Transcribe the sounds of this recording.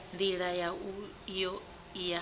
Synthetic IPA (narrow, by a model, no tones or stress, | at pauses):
nd̪iɺaja | jɔ | ja